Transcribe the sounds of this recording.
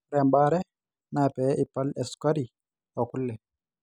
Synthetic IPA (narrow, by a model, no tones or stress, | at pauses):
ɾɛmbaɾɛ | napɛʔipːalɛskaɾi | ɔkulːɛ